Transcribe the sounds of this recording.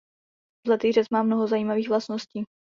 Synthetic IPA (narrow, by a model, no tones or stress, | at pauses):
zlɛt̪iːr̝ɛt͡smaːmnoɦozajiːmaviːxvlast̪nosciː